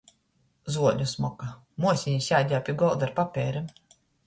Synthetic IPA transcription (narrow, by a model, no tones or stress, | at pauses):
zuɔlʲusmɔka | muɔsʲiɲisʲjaːd̪ʲaːpʲiːɡɔlˠd̪aɾpapʲɛːɾim